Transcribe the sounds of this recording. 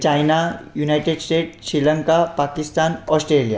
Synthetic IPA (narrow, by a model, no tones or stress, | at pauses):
t͡ɕajnajunajʈeɖsʈeʈsɾiləŋkapakist̪anɔsʈɾelija̰